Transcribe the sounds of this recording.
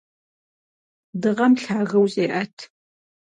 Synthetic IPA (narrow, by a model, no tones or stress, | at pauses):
dɨʁɐmɬaːɣɐwɕʼeːʔɐtʰ